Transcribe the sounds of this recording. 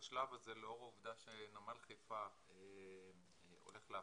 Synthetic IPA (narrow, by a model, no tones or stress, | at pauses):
ʃlavazeleo̞ʁauvd̪aʃenamalχijfa | em | o̞̰le̞χlea